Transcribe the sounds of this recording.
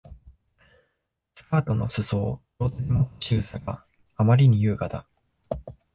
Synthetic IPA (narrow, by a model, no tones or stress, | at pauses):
sɨ̥kaːt̪o̞no̞̰sɨso̞ːɾo̞ːt̪aimot̪ːo̥ɕiɾɯ̟saɡa̰ː | maɾʲiɲ̟ijɯ̟ːɡad̪a̰